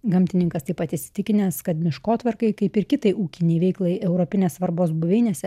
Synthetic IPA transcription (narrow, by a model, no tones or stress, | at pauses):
ɡɐmʲt̪ʲɪnʲɪŋkɐst̪ɐɪpɐt̪ɪʃʲsʲɪ̥t̪ʲɪkʲɪnʲeːsskɐt̪mʲɪʃkoːt̪ʲʋɐrkɐɪkɐɪpɪɾkʲɪt̪ɐɪʔuːkʲɪnʲɛɪʋʲɛɪklˠɐɪɛʊɾoːpʲɪnʲeːssʋɐɾboːsbʊʋʲeɪnʲeːsʲɛ